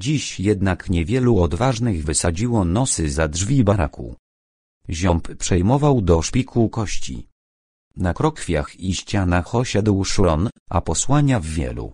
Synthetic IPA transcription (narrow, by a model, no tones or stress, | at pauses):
d͡ʑiɕjɛd̪nakɲɛvʲjɛluɔd̪vaʐnɘɣvɘsad͡ʑiwɔnɔsɘzadʐvʲibaɾakʰṵ | ʑɔmppʂɛjmɔvawd̪ɔʂpʲikʰukɔɕt͡ɕḭ | nakɾɔkfʲja̰xiɕt͡ɕanaxɔɕad̪wʂɔɔnʔa̰pɔswaɲavːʲjɛ̰lṵ